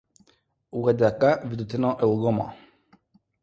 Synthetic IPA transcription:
uɡad̪akavid̪ut̪ɛnɔʔɛuɡɔma̰

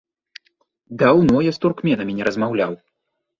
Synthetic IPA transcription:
d̪awnɔjast̪urkmʲɛnɐmʲinʲɛɾɐzmawlʲaw

